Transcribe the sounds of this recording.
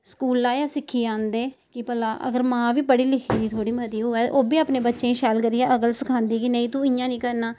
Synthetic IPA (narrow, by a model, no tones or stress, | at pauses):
skuːlaːjaːsɪkʰːiːãːnd̪eːkɪpəlaːʔə̰ɡəɾmãːʋiːpəɽiːlɪkʰiːd̪iːt̪ʰoːɽiːmət̪iːɦoːɛːʔoːbiːaːpneːbətːʃẽːʃɛːlkəɾijãːʔəɡəlsəkʰãːnd̪iːkɪnə̃ĩːt̪ũːɪ̃jãːnĩːkəɾnaː